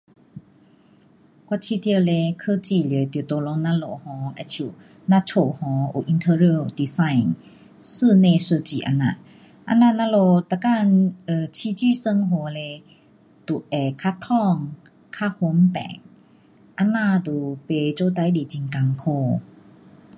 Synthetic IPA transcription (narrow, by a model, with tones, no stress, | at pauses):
kwa˧˨t͡ɕʰi˧t̪i˧ə˧le˧kʰə˧˨t͡ɕi˧˩ljə˨t̪i˨t̪o˧lɔ˧˦na˧˥lo˧˨hɔ̃˧˦ʔɛ˧˨t͡ɕʰu˧˨ | na˧˨t͡ɕʰo˧˨hɔ̃˧˦ʔṵ˨ʔi˧nt̪ʰə˧ɹi˧˨d̪i˧sã˧˨jn | sɨ˥˧˨nẽ˧˨sə˧t͡ɕi˧˨ʔa̰˧na̰˧˨ | ʔa̰˧˥na˧na˧˥lo˧t̪a˧ka˥˧˨nə˧t͡ɕʰi˧t͡ɕi˥˧˨sə˧ŋɦo˧˨le˧ | t̪u˨ʔɛ˨˩kʰa˥t̪ʰɔ˥˧ŋ | kʰa˥ho˧˦mpɛ̰˨ŋ | ʔa˧˥nã˥˧˨t̪u˨pe˧t͡ɕo˧˦t̪a˧˦jdi˨t͡ɕi˧ŋka˧˨ŋkʰo˧˨